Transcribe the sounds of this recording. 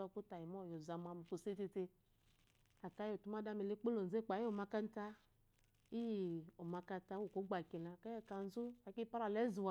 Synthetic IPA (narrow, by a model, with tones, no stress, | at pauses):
a˧ku˦ta˨ji˨mɔ˦˨jo˨za˨m˨a˧˨mu˨fu˨se˦ti˧te˧ | a˨ka˦jo˨tu˦ma˦da˦me˨le˦k͡po˦lo˨n̩˨ze˦˨k͡pa˨˦i˦o˨ma˧ka˦n˦ta˦ | i˦˨o˨ma˧ka˧˦ta˧˦wu˦˨ko˨˦ɡ͡ba˨ki˨na˨ka˦ɛ˦˨ka˨n˦zu˦a˨ki˦pa˦ɾa˨lɛ˦zu˨wa˨